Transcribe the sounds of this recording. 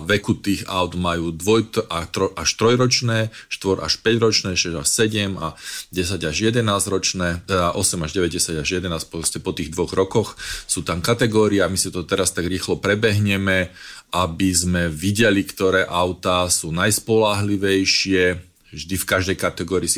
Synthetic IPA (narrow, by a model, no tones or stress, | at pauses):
ʋɛkut̪iːɣaʊd̪majuːd̪ʋɔjt̪at̪ɾɔʔaʃt̪ɾɔjɾɔt͡ʃnɛːʃt̪ʋɔɾa̰ʃpɛɟɾɔt͡ʃnɛːʃɛzaʃsɛɟɛma̰ɟɛs̬aɟaʒjɛd̪ɛnaːzɾɔt͡ʃnɛːt̪ɛd̪aʔɔsɛmaʒɟɛʋɛɟɟɛsaɟaʒjɛd̪ɛnaːscpɔɔscɛpɔt̪iːɣd̪ʋɔɣɾɔkɔxsuːt̪amkat̪ɛɡɔːɾiɛamisit̪ɔt̪ɛɾast̪aɡɾiːxlɔpɾɛbɛɦɲɛmɛʔabizmɛʋiɟɛlikt̪ɔɾɛːʔaʊt̪aːsuːnajspɔlaɦliʋɛjʃɪɛ | vʒd̪ifkaʒd̪ɛjkat̪ɛɡɔːɾiːsi